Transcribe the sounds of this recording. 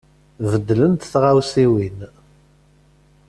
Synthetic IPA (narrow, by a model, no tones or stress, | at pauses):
vəd̪ːlənt̪θʁawsiwin